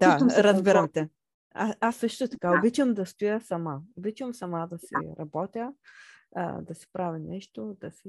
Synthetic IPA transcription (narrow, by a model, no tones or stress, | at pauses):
d̪ast̪omsɛɾɐzbiɾɐmt̪ɛ | aasːɤʃt̪ot̪ɐ̥kaobit͡ʃəmd̪ɐst̪ʊjəsɐmaobit͡ʃvəmsɐmad̪ɐsḭɾɐbɔt̪ʲjə̰ | d̪ɐsi̥pɾavinɛʃt̪od̪ɐsi